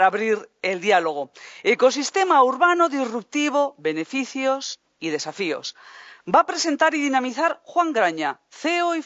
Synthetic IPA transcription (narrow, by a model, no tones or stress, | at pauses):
ɾaβɾiɾeld̪ialoɣ̞oeko̞s̬ist̪e̞mauɾβanoðizrup̚t̪iβ̞oβe̞ne̞fiθjos | ið̞e̞safio̰sbapɾe̞se̞nt̪aɾiðinamiθaɾxwaŋɡɾaɲa | θeoi